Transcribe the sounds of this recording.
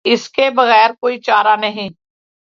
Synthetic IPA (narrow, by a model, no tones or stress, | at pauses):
ɪskebɐɣɛːɾkoːit͡ʃaːɾanɐɦĩː